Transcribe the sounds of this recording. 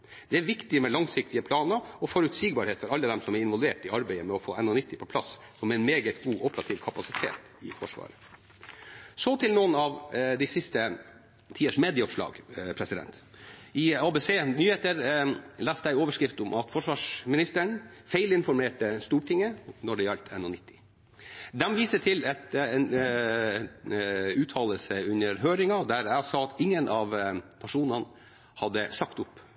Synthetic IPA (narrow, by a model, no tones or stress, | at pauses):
d̪̥ɛæɾʋɪkt̪ɪəmɛlɑŋsɪk̚t̪ɪəpʰlɑːnəɾɔfɔɾʉt̪siɡ̚bɑɾheːt̪fɔɾɑlːəd̪ɛmsɔmæɾɪnʋɔlʋeːʈɪɑɾbæɪəmɛɔfo̰ːʔɛnːɔnʏt̪ːɪpʰɔpʰlɑs | sɔmɛnmeːɡət̪ɡuːʔɔpəɾɑt̪ʰɪːʋkʰɑpɑsɪt̪ʰḛːt̪ | ɪ̰fɔ̰ʂʋɑ̰ːɾə | sɔt̪ʰɪlnuːnɑʋd̪æɪsɪst̪ə | t̪ʰiːəʂmeːd̪ɪəɔʂlɑ̰ːɡpʰɾɛsɪd̪ɛ̰nt̪ɪɑːbeseːnyːheːt̪əɾlæːst̪əæɪoːʋəʂkɾɪft̪ʊmʔɑt̪fɔʂʋɑːʂmɪnɪst̪əɳfæɪlɪnfɔɾmeːʈəst̪uːʈʰɪŋːənɔɖɛjɑʎt̪ʰɛ̰nːʊnɪt̪ʰːɪ̥ | d̪ɛmʋiːsəʈʰɪlɛt̪n | ʉːt̪ʰɑːləlsəʉnəɾɦøːɾɪŋɑd̪æɾæsɑːt̪ɪŋːənʔɑʋnɑʂuːnɑn | hɑd̪ːəsɑkt̪ʊp